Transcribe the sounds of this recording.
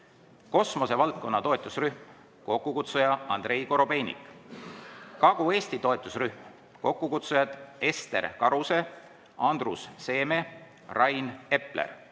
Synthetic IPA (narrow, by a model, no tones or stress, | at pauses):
ko̞smo̞se̞vɑlt̪̚ko̞nːɑt̪o̞et̪ːˑusryhm | ko̞kːukut̪sujɑɑnd̪re̞jko̞ɾo̞be̞jnʲḭkˑ | kɑɡ̥ue̞ːst̪it̪o̞e̞t̪ːˑusryhm | ko̞kːukut̪sujɑt̪e̞st̪e̞̰ɾkɑɾuse̞ | ɑnd̪rusːe̞ːme̞ | rʔɑjne̞plḛr